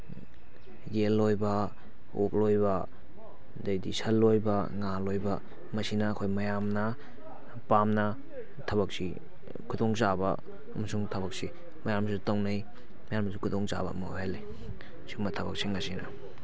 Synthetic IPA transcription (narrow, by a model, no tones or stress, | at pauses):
jelːojbɐ | ok̚lojbɐ | dajdisɐlːojbɐŋalojbɐ | mɐsinɐːkʰojmɐjamnɐ | pamnɐ | tʰɐbɐk̚sḭ | kʰudoŋt͡ʃabɐ̰ | ɐmɐsuŋtʰɐbɐk̚si | mɐjamsutawnaj | mɐjamɐsukʰudoŋt͡ʃa̰bɐ̰ma̰hele | simɐtʰɐbɐk̚siŋasinɐ̰